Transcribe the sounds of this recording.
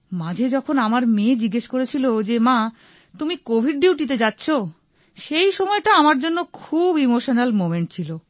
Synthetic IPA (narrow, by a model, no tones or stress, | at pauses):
mãd͡ʑʱed͡ʑɔkʰonamaɾmed͡ʑiɡːeʃkoɾet͡ɕʰilod͡ʑemã | t̪umikobʱiɖɖiwʈ̬it̪̬ed͡ʑatːɕʰo | ʃejʃɔmɔeʈaamaɾd͡ʑonːokʰubimoʃonalmomeɳʈ̚t͡ɕʰilo